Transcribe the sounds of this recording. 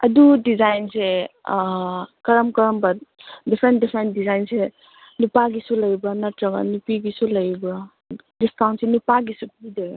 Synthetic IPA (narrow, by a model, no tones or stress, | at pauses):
ɐdudizajnse | kɐɾɐmkɐɾɐmbɐt̚dipʰɾendipʰɾent̚dizajnse | nupaɡisulɐjbɾanɐtɾɐɡa̰nupiɡisulɐjbɾa | distʰawnsenupaɡisup̚ʰijdeɡ